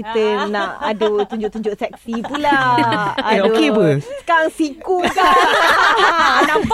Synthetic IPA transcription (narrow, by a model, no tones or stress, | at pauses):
it̪ənaʔadət̪uɲd͡ʒʊʔt̪uɲd͡ʒʊʔsɛk̚sipulaa̰dookebəssə̥kaɾaŋsikuka | na